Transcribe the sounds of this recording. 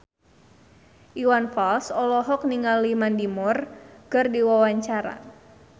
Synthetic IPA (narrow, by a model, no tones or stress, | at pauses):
ʔiwanfalsɔlɔɦɔk̚niŋalːimandimʊrkərdiwawaɲt͡ʃaɾa̰